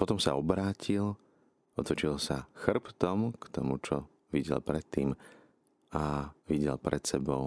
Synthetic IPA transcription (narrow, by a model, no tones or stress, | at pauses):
pɔt̪ɔmsa̰ɔbɾaːcʰil | ɔt̪ɔt͡ʃilsaxr̩pt̪ɔmkt̪ɔmut͡ʃɔ | ʋiɟɛ̰lpɾɛt̪ːiːm | aʋiɟɛ̰lpɾʔɛt̪sɛbɔʊ